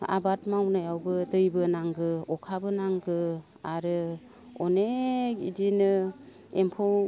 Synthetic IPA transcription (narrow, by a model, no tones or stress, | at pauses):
a̰batmawnajawbɯdɯjbɯnaŋɡɯɔkʰabɯnaŋɡɯ | aɾɯ | ɔnekḭdinɯ | empʰɔw